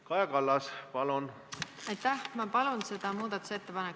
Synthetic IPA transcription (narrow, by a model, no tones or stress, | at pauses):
kɑjɑkɑlːɑspɑlun | ɑjt̪ːˑæhmɑpɑlunse̞d̪̥ɑmuːd̪̥ɑt̪ːˑu̥set̪ːepɑnek